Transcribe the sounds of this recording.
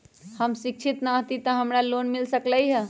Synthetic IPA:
həmsik̚t͡ʃʰit̪naɦt̪it̪əɦəmɾalonmilsəkləjɦə

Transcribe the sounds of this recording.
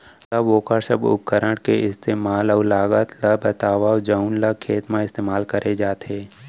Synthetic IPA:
ləoːkəɾsəbʊ̰p̚kəɾəɳʈkeɪst̪eːmaːlɔːlaːɡət̪ləbət̪aːʋad͡ʒaunləkʰːeːt̪mãɪst̪eːmaːlkəɾʔed͡ʒaːt̪ɦeː

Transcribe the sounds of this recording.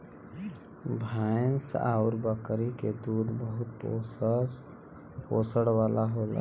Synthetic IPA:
bʱaːɪnsaːʊɾbəkɾiked̪uːd̪bəɦʊt̪̚pː | poːsəɽwaːlaɦoːla̰

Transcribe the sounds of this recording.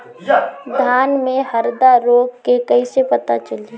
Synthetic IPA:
d̪ʱaːnmẽhɐɾd̪aɾoːɡkekɐisepɐt̪at͡ʃəli

